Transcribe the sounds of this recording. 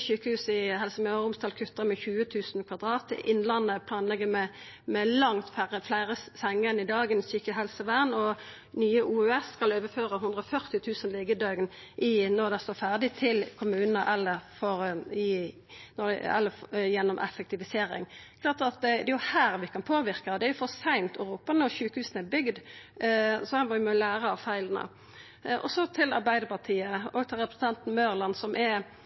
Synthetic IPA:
syːkəhʉːsɪɦɛlsəmæʁʊmst̪ɑːlkʰʉt̪ːəʁmɛçʉːət̪ʰʉːsnkʰʋɑd̪ʁɑːt̪ʔɪnːlɑnːəpʰlɑːnlɛɡəmɛ | mɛlɑŋt̪fæʁəflæɪʁəsɛŋːənɪd̪ɑːɡənsyːkəɦɛlsəʋæʁnɔ | nyːəʔuːøːɛsːkɑløːʋəføːʁəɦʉnd̪ʁɔfœʁt̪ɪt̪ʰʉːsənlɪːɡəd̪øːɡn | ʔɪnɔʁd̪ɛʁst̪oːfæʁd̪ɪt̪ʰɪlkʰʊmʉːnənəʔɛlːəʁfɔɾɪ | nɔɛ̰lːəjɛnːɔmʔɛ̰fɛkt̪ɪʋɪseːɾɪ̰ŋkʰlɑːʁt̪ɑt̪̚d̪ɛd̪ɛjʊhæːɾʋɪkʰɑnpʰoːʋɪʁkəd̪ɛæɾjʊfɔʁsæɪnt̪ɔɾuːpənɔʁçʉːkəhʉːsn̩ɛbʏɡd̪ | sɔhɑmɔʋɪmɔlæːɾəɑʋfæɪlənə̰ | ʔɔsɔt̪ʰɪlɑɾbæɪd̪əʁpɑt̪ʰiːəoɡt̪ʰɪlʁɛpɾəsn̩t̪ɑnt̪n̩møːʁlɑnsɔmʔɛ

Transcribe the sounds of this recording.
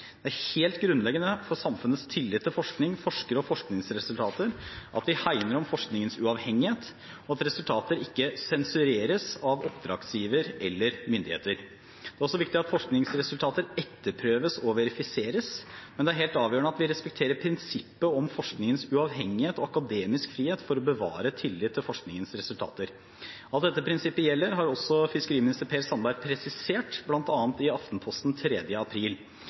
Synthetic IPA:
d̪ɛæɾheːlt̪ɡɾʉnlɛɡːənəfɔɾsɑmfʉnət̪st̪ʰɪlːɪt̪ʰːɪlfɔʂknɪŋfɔʂkəɾɔfɔʂknɪŋsɾɛsʉlt̪ʰɑːt̪əɾʔɑ̰t̪ʋɪhæɪnəɾɔmfɔʂknɪŋənsʉɑʋhɛŋːɪheːt̪ | ɔɑt̪ɾɛsʉlt̪ʰɑːt̪əɾɪkːəsɛnsʉɾeːɾəsɑʋɔpd̪ɾɑ̰ːɡsjiːʋəɾɛlːəɾmʏnd̪ɪhḛːt̪əɾ | d̪̥ɛæɾɔsɔʋɪkt̪ɪɑt̪fɔʂknɪŋsɾɛsʉlt̪ʰɑːt̪əɾɛt̪ːəɾpʰɾøːʋəsɔʋɛɾɪfɪseːɾəsmɛnd̪ɛæɾɦeːlt̪ɑːʋjøːəɳəɑt̪ʋɪɾɛspɛk̚t̪ʰeːɾəɾpʰɾɪnsɪpːəɔmfɔʂknɪŋənsʉɑʋɦɛŋːɪheːt̪ɔɑkɑd̪eːmɪskfɾiːheːt̪fɔɾɔbəʋɑ̰ːɾət̪ʰɪlːɪt̪ʰːɪlfɔʂknɪŋənsɾɛsʉlt̪ʰɑ̰ːt̪əɾ | ɑlt̪̚d̪ɛt̪ːəpʰɾɪnsɪpːəjɛlːəɾɦɑɾɔsːɔfɪskəɾiːmɪnɪst̪əɾpʰeːsɑnbæɾpʰɾɛsɪseːʈblɑnt̪ɑːnt̪ɪɑft̪n̩pʰɔst̪n̩t̪ʰɾɛd̪jəɑpʰɾiːl

